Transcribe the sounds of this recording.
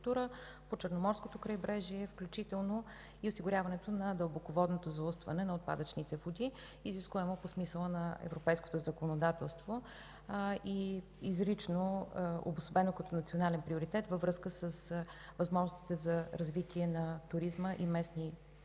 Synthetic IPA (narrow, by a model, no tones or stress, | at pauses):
kt̪uɾə | pot͡ʃəɾnomɔɾskot̪okɾəjbɾɛʒiɛfklʲut͡ʃit̪ɛlˠno | iʊsiɡʊɾʲavɐnɛt̪onɐd̪əlˠbokovɔd̪not̪ozɐust̪vɐ̰nɛnɐot̪̚pa̰d̪ət͡ʃnit̪ɛvod̪i | iziskuvɛmoposmisəlˠənɐɛ̰vɾopɛjsko̥t̪ozəkonod̪at̪ɛlˠst̪vo | i | izɾit͡ʃnoo̰bʊsobɛnokɐt̪ɔnɐt̪sionalɛnpɾioɾit̪ɛt̪vəvɾɤskəsəsvɐzmɔʒnost̪i̥t̪ɛzɐɾɐzvit̪iɛnɐt̪ʊɾizməʔimɛsni